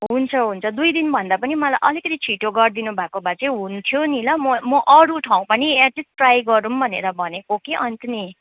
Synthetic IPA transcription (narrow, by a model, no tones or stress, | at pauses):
ɦɦunt͡sʰʌɦunt͡sʰʌd̪ujd̪inbʱʌnd̪apʌnimʌlajʔʌlikʌt̪it͡sʰiʈoɡʌrd̪inubʱakobat͡sʌ̃ɦunt̪ʰjonilʌmʌmʌʔʌɽuʈʰaw̃pʌniaʈisʈrajɡʌɾumbʱʌnḛɾʌbʱʌnekokeʔʌnt̪ʌni